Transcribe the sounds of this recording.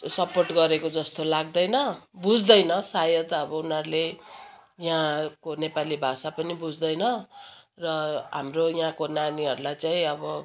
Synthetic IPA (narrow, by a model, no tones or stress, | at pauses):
sʌporʈɡʌɾekod͡zʌst̪olaɡ̚d̪ʌjnʌbud͡zd̪ʌjnʌsajʌt̪ʌbʌunɦʌɾule | jɦãkonepalibʱasapʌnibud͡zd̪ʌjnʌrʌɦamrojɦãkonaniɦʌɾulajt͡saĩʌbʌ